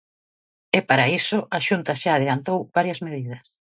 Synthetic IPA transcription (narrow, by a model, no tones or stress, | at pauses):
ɛpaɾaisʊaʃunt̪ɐʃaːð̞elant̪owβ̥aɾjɐzmeðið̞ɐs